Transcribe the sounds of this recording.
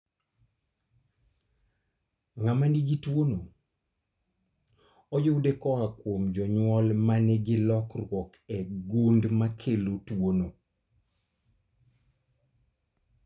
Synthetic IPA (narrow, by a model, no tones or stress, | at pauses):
ŋamaniɡitwono | ɔjowdekɔakwomd͡ʒɔɲwɔlmanɛɡɪlɔkrwɔkɛɡundmakʰelotwono